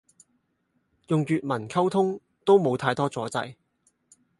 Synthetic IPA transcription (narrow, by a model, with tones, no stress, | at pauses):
jʊ˨ŋjyː˨t̚mɐ˨˩nkʰɐ˥wt̪ʰʊ˥ŋ | t̪o˥wmo˨˧wt̪ʰaː˧jt̪ɔː˥t͡sɔː˨˥t͡sɐ̰˧j